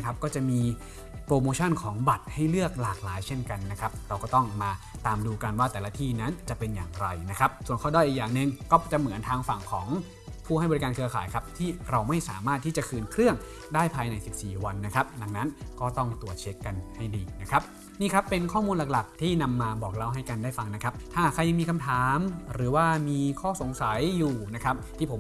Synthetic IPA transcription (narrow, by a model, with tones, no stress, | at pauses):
kʰa˦˥p̚kɔː˥˩t͡ɕa˨˩miː˧ | pɾoː˧moː˧t͡ɕʰɔ˥˩nkʰɔː˩˦ŋba˨˩t̪̚ha˥˩jlɯ˥˩ək̚laː˨˩k̚laː˩˦jt͡ɕʰe˥˩nka˧nːa˦˥kʰa˦˥p̚ɾa˧wkɔː˥˩t̪ɔ˥˩ŋmaː˧t̪aː˧mduː˧ka˧nwaː˥˩t̪ɛː˨˩laː˦˧˥t̪ʰiː˥˩na˦˥nt͡ɕa˨˩ʔpe˧nja̰ː˨˩ŋɾa˧jna˦˥kʰa˦˥p̚su˨˩ənkʰɔː˧˥˩daː˥˩jʔi˨˩k̚jaː˨˩ŋnɯ˨˧ŋkɔː˥˩t͡ɕa˨˩mɯ˩˦ənt̪ʰaː˧ŋfa˨˩ŋkʰɔː˩˦ŋ | pʰuː˥˩ha˥˩bɔ˧ɾi˦˥kaː˧nkʰɯ˧ɐaː˨˦jkʰa˦˥p̚t̪ʰiː˥˩ɾa˧wma˥˩jsaː˩˦maː˥˩t̪ʰːiː˥˩t͡ɕa˨˩kʰɯː˧nkʰɾɯ˥˩əŋ | daː˥˩jpʰaː˧jna˧jsi˨˩p̚siː˨˩wa˧nːa˦˥kʰa˦˥p̚da˨˧˩ŋna˦˥nkɔː˥˩t̪ɔ˥˩ŋt̪u˨˩ət̪̚t͡ɕʰe˦˥kːa˧nha˥˩jdiː˧na˦˥kʰɾa˦˥p̚ | niː˥˩kʰa˦˥pːe˧nkʰɔː˥˩muː˧nla˨˩k̚la˨˩k̚t̪ʰiː˥˩na˧mːaː˧bɔː˨˩k̚la˧˥˩wɦa˥˩jka˧ndaː˥˩jfa˧ŋna˦˥kʰa˦˥p̚t̪ʰaː˥˩kʰɾa˧jːa˧miː˧kʰa˧mt̪ʰaː˩˦mɾɯː˩˦waː˥˩miː˧kʰɔː˥˩so˨˩˦ŋsa˨˩˦jːuː˨˩na˦˥kʰa˦˥p̚t̪ʰiː˥˩pʰo˩˦m